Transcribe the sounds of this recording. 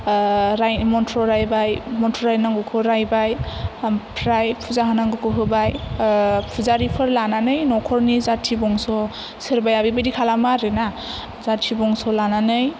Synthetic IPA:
ɾajmɔntʰɾɔɾajbajmɔntʰɔɾajnaŋɡɔkʰɯɾajbaj | pʰɾajpʰuzaɦɯnaŋɡɯkʰɯɦɯbaj | pʰuzaɾipʰɯɾlananɯjnɔkʰɔɾnizatʰibɔŋsɔ | sɯɾbajabibajdikʰalamaɾena | zatʰibɔŋsɔlananɯj

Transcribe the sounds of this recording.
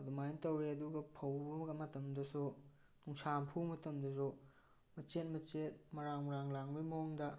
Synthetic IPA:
dumajntɐweɐduɡɐpʰɐwbɡɐmɐtɐmdɐsu | nuŋsampʰuwmɐtɐmdɐzu | mɐt͡ʃet̚mɐt͡ʃet̚mɐɾaŋmɐɾaŋlaŋbimoŋdɐ

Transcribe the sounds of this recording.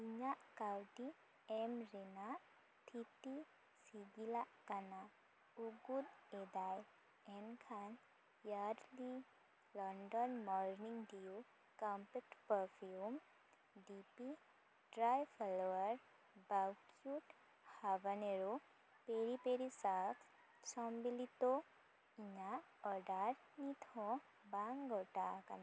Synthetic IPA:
iɲaʔkawʈi | emɾina | ʈʰiti | siɡilaʔkana | uɡud̪ed̪aj | enkʰan | jaɾli | lɔɳɖɔnmɔɾniŋɡɖiu | kampek̚ʈpəɾfʰjum | ɖipi | ɖɾajfʰɔloʋəɾ | bawkjuʈ | haʋɐneɾo | peɾipeɾisak | sɔmbilit̪o | iɲaɔɖaɾ | nit̪ʰo | baŋɡoʈaːkɐn

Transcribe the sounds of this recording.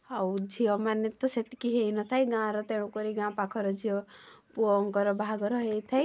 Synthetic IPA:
awd͡ʒʱiɔmanet̪ɔset̪i̥kiɦejnɔt̪ʰajɡãɾɔt̪eɽ̃ũkɔɾiɡãpakʰɔɾɔd͡ʒiɔpuɔŋkɔɾɔbʱaɡɔɾɔɦejt̪ʰaj

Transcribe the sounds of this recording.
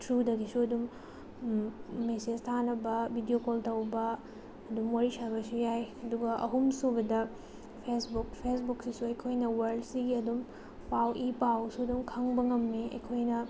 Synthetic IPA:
tɾudɐɡisuɐdum | mesed͡ʒtʰanɐbɐbʱidiokoltɐwbɐː | dumwaɾisaɾbɐsujajɐduɡɐʔɐ̰ɦumsubɐdɐ | pʰesbuk̚pʰesbuksisuɐjkʰojnɐwɐɾɖsiɡiɐdum | pʰawʔipawsuɐdumkʰɐŋbɐŋɐmːiɐ̰jkʰojnɐ

